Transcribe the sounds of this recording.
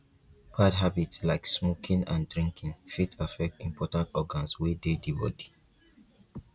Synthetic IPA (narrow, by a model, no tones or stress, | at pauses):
pʰadɦabitslaɪksmokʰĩŋã̰ndɹĩŋkʰĩŋfitʰafɛk̚tĩmpʰɔtãntɔɡãnswedediwɔ̰di̥